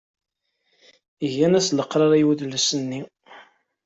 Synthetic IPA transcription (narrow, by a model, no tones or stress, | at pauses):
əʝænæsləqːɾˤɑɾˤæjwəðləsənːi